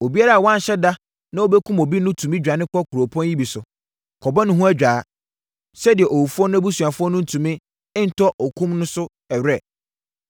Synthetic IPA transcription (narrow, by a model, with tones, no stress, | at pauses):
o˨bi˦a˦ɾa˦˨wɔ̃˦n˨ɕɛ˦da˦ | nã˦o˦bɛ˦kʰũ˦mo˨bi˦nʊ̃˦tʰũ˨mĩ˦d͡ʑᶣa˨nɪ̃˦kʰɔ˦kʰu˨ɾo˨pʰɔ̃˦nji˦bi˨sʊ˨ | kʰɔ˨bɔ˦nʊ̃˦ɦũ˦æ˦d͡ʑᶣaː˨˦ | sɛ˦dɪ˨ɛ˨ʔo˨wu˨fu˦ɔ˦nʊ̃˦æ˦bu˦su˨a˨fʊ˦ɔ˦nʊ̃˦n̩˦˨tʰũ˨mɪ̃˦ | ɪ˦n̩˨tʰɔ˦ʔɔ˨kʰũ˦mnʊ̃˦sʊ˦ | ɛ˨ɥɛ˦˨